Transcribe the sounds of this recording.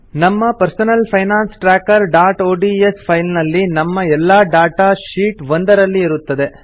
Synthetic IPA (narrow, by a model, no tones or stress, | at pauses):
nɐmːɐpɐɾsɐnɐlpʰɐjnaːnsʈɾaːkɐɾɖaːʈoːɖiespʰɐjlnɐlːinɐmːɐɛlːaːɖaːʈaːʃiːʈʋond̪ɐɾɐlːiiɾut̪ːɐd̪e̞